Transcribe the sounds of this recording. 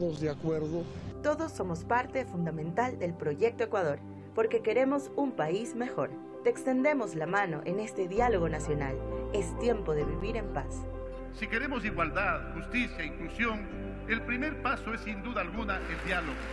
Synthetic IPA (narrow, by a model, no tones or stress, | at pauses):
ðozðeakweɾðot̪o̞ðo̞sːo̞mo̞spaɾt̪e̞fund̪amẽnt̪ald̪e̞lpɾo̞ʝe̞k̚t̪oekwað̞o̞ɾ | po̞ɾke̞ke̞ɾe̞mo̞sumpaizme̞xo̞ɾ | t̪eːkst̪e̞nd̪e̞mo̞zlamãno̞̰ʔene̞st̪e̞ðjalo̞ɣ̞o̞nasjo̞nale̞st̪je̞mpo̞ðe̞βiβiɾe̞mpas | sike̞ɾemosiɣwald̪aðxust̪isjaiŋklusjoŋ | elpɾime̞ɾpasoesːind̪uðaːlɣunaeld̪jaloɣo